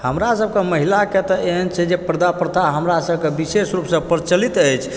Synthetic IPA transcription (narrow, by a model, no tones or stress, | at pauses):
həmɾasəb̚keməɦilaket̪ɔʔeɦənt͡ʃʰɛd͡ʒepɾəd̪apəɾt̪ʰaɦəmɾasəbkebisesɾupsə̃pəɾt͡ʃəlit̪əjt͡ʃʰ